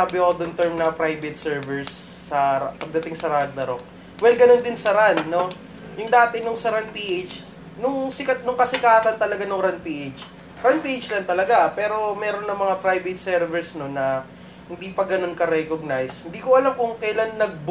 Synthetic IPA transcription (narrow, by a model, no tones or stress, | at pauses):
abɪkod̪ont̪ɛɹmnɐpɾajvɛt̪̚sɛɹvɛɹsː | ɐpɐɡ̚d̪ɐt̪ɪŋsɐɾand̪ɐɾok̚ | wɛlɡɐnond̪ɪnsɐɾanːo̞ | jʊŋd̪aːt̪ɪnʊŋsɐɾanpiːʔejt͡ʃ | nʊŋsɪkɐt̪nʊŋkɐsɪkaːt̪ɐnt̪ɐlɐɡanʊŋɾanpiːʔet͡ʃ | ɾanpiʔɪt͡ʃlɐnt̪ɐlɐɡapɛːɾo̞mɛːɾo̞nːɐŋmɐŋapɾajvɛt̪̚sɛɾvɛɹsno̞nːɐ | hɪnd̪iːpɐɡɐno̞nkɐɾɛkoɡ̚najshɪnd̪iːkoʔɐlamkʊŋkɐjlanːɐɡ̚b